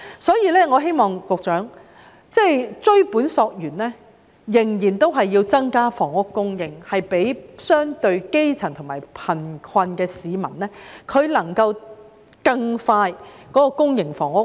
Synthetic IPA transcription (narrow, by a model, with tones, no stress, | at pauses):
sɔː˨˥jiː˧lɛː˥ŋɔː˨˧ɦe˥jmɔː˨ŋkʊ˨k̚t͡ʃœː˨˥ŋ | t͡sɛ˥˧jt͡sɵ˥ɥpuː˨˥nsɔː˧k̚jyː˨˩nlɛː˥ | jɪ˨˩ŋjiː˨˩nt̪o˥wɦɐ˨jːiː˧wt͡sɐ˥ŋkaː˥fɔː˨˩ŋʊ˥kːʊ˥ŋjɪ˨ŋhɐ˨jpe˨˥jsœː˥ŋt̪ɵ˧ɥke˥jt͡sʰɐ˨˩ŋt̪ʰʊ˨˩ŋmaː˨˩jpʰɐ˨˩nkʰɐ˧nkɛː˧siː˨˧mɐ̰˨˩nlɛː˥kʰɵ˨˧ɥlɐ˨˩ŋkɐ˧w | kɐ˧ŋfaː˧jkɔː˨˥kɔː˧kʊ˥ŋjɪ˨˩ŋfɔː˨˩ŋʊ˥k̚